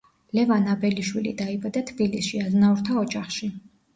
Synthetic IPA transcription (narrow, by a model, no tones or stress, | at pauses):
lɛvanabɛliʃwilḭd̪aibad̪at̪ʰbilisʃiaznauɾt̪ʰaɔd͡ʒaχʃi